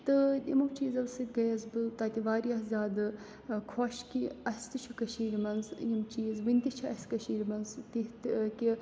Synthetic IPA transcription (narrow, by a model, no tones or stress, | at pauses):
t̪ɨjimɐʋt͡ʃiːzɐʋsit̪ɡɐjɐzbɨt̪aːt̪iʋaːɾijaːɦzʲaːd̪ɨ | kʰoːʃkiɐsʲt̪ɨt͡ʃʰukɐʃiːɾimɐnzjimt͡ʃiːzʋɨnʲt̪it͡ʃʰuɐsʲkɐʃiːɾimɐnzt̪iɦt̪kʲi